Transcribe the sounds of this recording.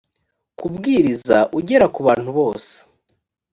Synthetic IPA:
kubɡiːɾizaʔuɟe̞ɾakuβaːn̥huβo̞ːse̥

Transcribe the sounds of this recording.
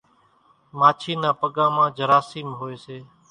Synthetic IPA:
maːt͡ʃʰiːnãːpəɠãːmãːd͡ʒəɾaːsiːmɦoːeːseː

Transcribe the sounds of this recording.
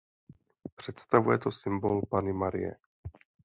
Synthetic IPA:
pr̝̥ɛt̪st̪avujɛt̪osɪmbolpanɪmaɾɪ̰jɛ̰

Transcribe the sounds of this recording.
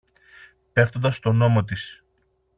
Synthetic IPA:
pe̞ft̪o̞nd̪ɐst̪o̞no̞mo̞t̪̬is

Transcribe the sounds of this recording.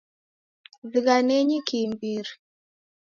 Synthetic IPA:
viɡaneɲikimbiɾi

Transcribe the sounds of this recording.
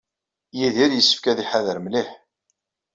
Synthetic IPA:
jiðiɾjəsːə̥fkæðiħaðəɾmliħ

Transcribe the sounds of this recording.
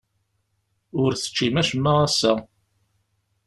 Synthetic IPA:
ʊɾθə̥t͡ʃːimæʃəmːaʁæsæ

